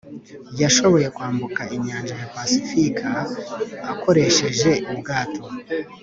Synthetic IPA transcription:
jaʃo̞βo̞je̞kwaːmbukaʔiɲaːnd͡ʒajapasifikʰaː | ko̞ɾe̞ʃe̞ʒe̞ubɡaːto̞

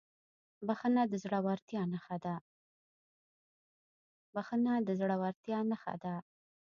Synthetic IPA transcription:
baxənad̪əzɽawaɾt̪jɑnaxad̪a | baxənad̪əzɽawaɾt̪jɑnaxa̰d̪a

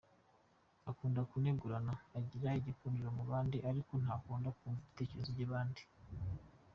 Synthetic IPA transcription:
akuːndakuneɡuɾanaːɟiɾaiɟikuɾiɾomuβaːndiʔaɾiko̞n̥haːkuːndakuːɱvaiite̞ːceɾezoɟaβaːndi

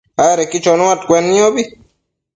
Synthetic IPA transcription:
aaɾekit͡ʃɔnoat̪̚kʷwɛnːĩobi

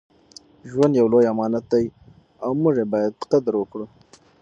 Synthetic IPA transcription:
ʒwand̪jawlojamɑnat̪̚d̪aj | awmuʐebɑjad̪̚qad̪ɾwəkɽu

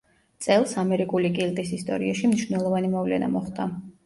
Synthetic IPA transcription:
t̪sʼɛlˠsamɛɾikʼulikʼild̪ʼisist̪ʼɔ̰ɾiaʃimniʃwnɛlˠɔvanimɔvlɛ̰na̰mɔχd̪a

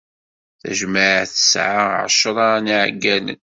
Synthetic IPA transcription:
θæ̰ʒməʕθə̥sʕaʕʃəɾˤɑniʕɡːænə̰n

